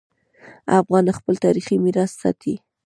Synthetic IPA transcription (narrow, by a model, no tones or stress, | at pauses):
afɣɑnaxpəlt̪ɑɾiximiɾɑssɑ̰t̪ʰi